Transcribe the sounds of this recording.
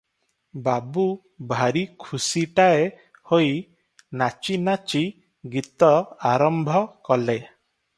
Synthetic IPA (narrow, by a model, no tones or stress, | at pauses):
babu | bʱaɾikʰusiʈae | hoj | nat͡ʃinat͡ʃi | ɡit̪ɔaɾɔmbʱɔkɔle